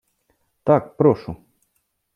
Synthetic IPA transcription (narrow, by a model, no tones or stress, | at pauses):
t̪akpɾoʃu